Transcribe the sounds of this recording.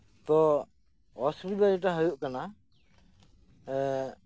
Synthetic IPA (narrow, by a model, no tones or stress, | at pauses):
t̪ɔ | ɔsɾibaɾɛʈ̬aɦəjuʔkana